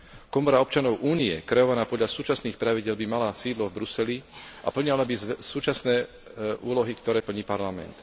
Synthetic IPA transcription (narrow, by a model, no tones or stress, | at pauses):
kɔmɔɾaɔp̚t͡ʃanɔʊʔuːniɛ̰kɾɛjɔʋanaːpɔd̪ʎasuːt͡ʃasniːxpɾaʋiɟɪɛlbimalasiːd̪lɔvbɾusɛliʔa̰pl̩ɲalabisuːt͡ʃasnɛː | ʔuːlɔɦikt̪ɔɾɛːpl̩ɲiːpaɾlamɛ̰nt̪